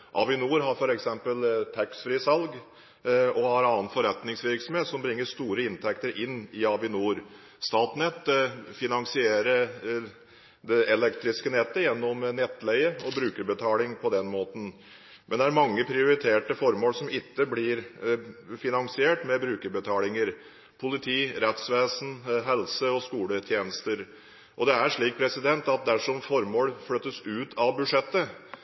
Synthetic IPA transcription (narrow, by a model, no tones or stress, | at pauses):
ʔɑ̰ʋɪnuːɾɦɑɾfɔɾɛksɛmpəlt̪ʰæksfɾiːsɑlɡ | ɔhɑɾɑnənfɔɾɛt̪nɪŋsʋɪɾksɔm̩heːt̪sɔmbɾɪŋːəʂt̪uːɾəɪnt̪ʰɛkt̪əɾʔɪnːɪɑʋɪnuːɾ | st̪ɑːt̪nɛt̪ːfɪnɑŋsɪeːɾə | d̪ɛʔɛlɛkt̪ɾɪskənɛt̪ːəjɛnːɔmnɛt̪ːlɛɪəɔbɾʉːkəɾbət̪ʰɑːlɪŋpʰɔd̪ɛnmoːt̪ən | mʔɛnd̪ɛæɾmɑŋːəpʰɾɪʊɾɪt̪ʰeːʈəfɔɾmoːlsɔmɪt̪ːəblɪɾ | fɪnɑŋsɪeːʈmɛbɾʉːkəɾbət̪ʰɑːlɪŋəɾ | pʰʊlɪt̪ʰiːɾɛt̪sʋeːsn̩ɦɛlsəɔskuːlət̪ʰjeːnəst̪əɾ | ʔɔd̪ɛæʂɭiːk̚pʰɾɛsɪd̪ɛnt̪ɑt̪̚d̪æʂɔmfɔɾmoːlflœt̪ːəsʉːt̪ʰɑʋbʉd̪ʂɛt̪ːə